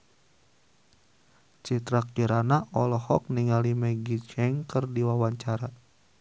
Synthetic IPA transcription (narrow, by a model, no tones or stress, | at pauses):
t͡ʃit̪ɾak̚d͡ʒiɾanaɔlɔhɔk̚niŋalimɛɡit͡ʃɛŋkərdiwawaɲt͡ʃaɾa